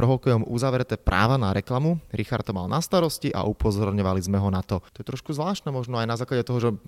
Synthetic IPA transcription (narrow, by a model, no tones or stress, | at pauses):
ɾɔɦɔkɛjɔmuzaʋɾɛt̪ɛːpɾʔa̰ːʋanaɾɛklamuɾixaɾt̪ɔma̰lnast̪aɾɔsciʔa̰ʔupɔzɔɾɲɔʋalizmɛɦɔnat̪ɔt̪ɔjɛt̪ɾɔʃkuzʋlaːʃt̪nɛːmɔʒnɔajnazaːklaɟɛt̪ɔɦɔʒɛ